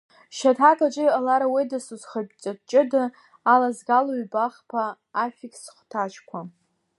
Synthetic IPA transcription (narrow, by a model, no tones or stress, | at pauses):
ʃatʰakʰʼat͡ʃʼɪjalaɾawijdɨsuzχat͡ʃʼat͡ʃʼɪdɨ | alazɡaloɥbaχpʰaː | fʲikʰsχʷtʰat͡ʃʰʼkʷʰa